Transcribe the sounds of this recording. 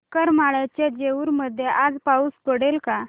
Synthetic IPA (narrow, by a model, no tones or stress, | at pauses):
kəɾmaɭat͡ɕjad͡ʑeuːɾməd̪ʱːjeʔad͡zpauːspəɽelka